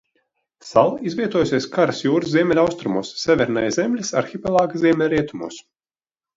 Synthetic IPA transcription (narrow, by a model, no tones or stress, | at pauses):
salˠizvʲiɛt̪uɔjusʲiɛskaɾasjuːɾɨzzʲiɛmʲɛlʲawst̪ɾumṵːsːʲɛvʲɛɾnajzʲemlʲisa̰ɾxʲipʲɛlˠaːɡaziɛmʲɛlʲɾiɛt̪umṵɔs